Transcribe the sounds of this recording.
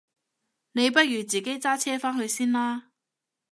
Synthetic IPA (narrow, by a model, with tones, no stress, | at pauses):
ne˨˧jp̬ɐ˥t̚jyː˨˩t͡siː˨˩ke˥jt͡saː˥t͡sʰɛː˥faː˥nhɵ˧ɥsiː˥nlaː˥